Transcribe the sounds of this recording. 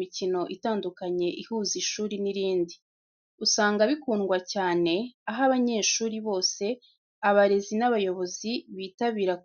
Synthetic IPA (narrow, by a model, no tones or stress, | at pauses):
icino̞ʔitaːndukaɲe̞ʔihuːziʃuːɾiniɾiːndi | usaːŋɡaβikuːnɡwacaːne̞aɦaβaɲe̞ːʃuːɾiβo̞ːse̞ | aβaɾe̞zinaβajo̞βo̞ziβiːtaβiːɾak